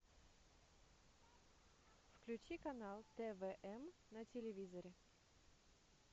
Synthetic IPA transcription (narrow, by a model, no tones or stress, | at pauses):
fklʲʉt͡ɕikɐnalˠt̪ɛvɛʔɛmnətʲɪlʲɪvʲizəɾʲɪ